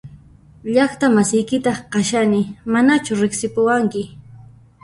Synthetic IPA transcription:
ʎɑχt̪amasɪjkɪt̪ɑχqɑʃanɪmanat͡ʃʊɾɪksɪpʊwaŋkɪ

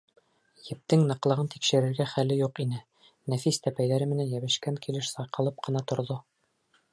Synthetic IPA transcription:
jɘ̆p̚t̪ɘŋnɤ̆qlˠɤ̆ʁɤnt̪ikʃɘ̆ɾɘ̆ɾɡæχælːɘjuqinɘ | næfist̪æpæjðæɾɘmɘ̆nænjæβɘ̆ʃkæŋkilɘʃsɑjqɤ̆lˠɤp̚qɤ̆nɑt̪ŏɾðo

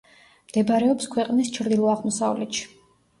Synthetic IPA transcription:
md̪̥ɛbaɾɛɔpskʰwɛqʼnist͡ʃʰɾd̪ilˠɔaʁmɔsa̰vlɛt̪ʃi̥

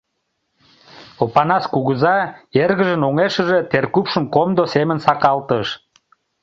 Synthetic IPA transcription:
opɑnɑskuɣəzɑerɣəʒənoŋeʃəʒet̪erkupʃəmkomd̪osemənsɑkɑlt̪əʃ

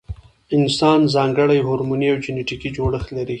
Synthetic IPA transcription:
ɪnsɑnzɑŋɡəɽajɦoɾmuniawd͡ʒɪneʈikid͡ʒoɽəxlaɾi

